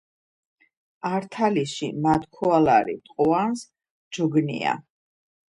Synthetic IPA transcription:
aɾt̪ʰaliʃimat̪ʰkʰɔala̰ɾḭt̪ʼqʼɔans | d͡ʒɔɡnḭa̰

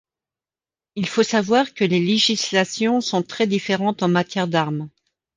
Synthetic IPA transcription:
ilfosavwaʁkəleleʒislasjɔ̃sɔ̃t̪χɛd̪ifeʁɑ̃t̪ɑ̃mat̪jɛʁd̪aʁm

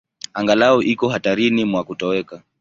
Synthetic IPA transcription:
aŋɡalaɔʔikɔɦataɾinimwakutɔɛka

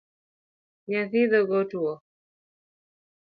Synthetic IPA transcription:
ɲaθiðɔɡɔtuɔ

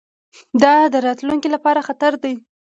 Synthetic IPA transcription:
d̪ɑd̪əɾɑt̪luŋkilapɑɾaxat̪aɾd̪aj

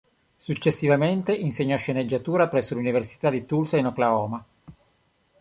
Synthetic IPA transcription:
sut͡ʃːesːivament̪eʔinseɲːɔʃːened͡ʒːat̪uːɾapɾɛsːoluniversi̥t̪ad̪it̪ulsainɔklaɔːma

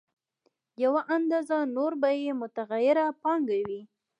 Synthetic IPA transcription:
jawaʔand̪ɑzanoɾbajemʊt̪aɣajɪɾapɑŋɡawi

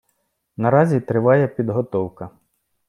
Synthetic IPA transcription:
nɐɾɑzʲit̪ɾɪʋɑjɛpʲid̪ɦɔt̪ɔwkɐ

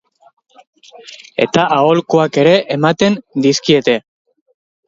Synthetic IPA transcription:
e̞̰t̪aʔao̞lkoake̞ɾe̞ʔemat̪e̞nd̪iskie̞t̪e̞

